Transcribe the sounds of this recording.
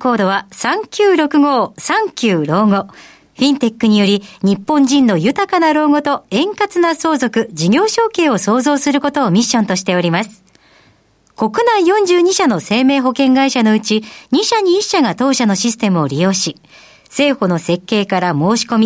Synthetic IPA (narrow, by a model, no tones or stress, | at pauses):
ko̞ːd̪o̞βasãŋkʲɨːɾo̞kɯ̟ɡo̞ːsãŋkʲɨːɾo̞ːɡo̞ | ɸʲĩnt̪e̞kːɯ̟ɲ̟ijo̞ɾʲiɲ̟ipːõ̞ɲd͡ʑĩnːo̞jɯ̟t̪akanaɾo̞ːɡo̞t̪o̞ẽ̞ŋkat͡sɨnaso̞ːzo̞kɯ̟d͡ʑiɡʲo̞ːɕo̞ːke̞ːo̞so̞ːzo̞ːsɨɾɯ̟ko̞t̪o̞ːmʲiɕːõ̞nt̪o̞ɕi̥t̪e̞o̞ɾʲimasɨ̥ | ko̞kɯ̟naijõ̞ɲ̟d͡ʑɨːɲ̟iɕano̞se̞ːme̞ːɦo̞kẽ̞ŋɡaiɕano̞ɯ̟t͡ɕiɲiɕaɲ̟iːɕːaɡat̪o̞ːɕano̞ɕisɨ̥t̪e̞mɯ̟o̞ɾʲijo̞ːɕi | se̞ːho̞no̞se̞kːe̞ːkaɾamo̞ːɕi̥ko̞mʲi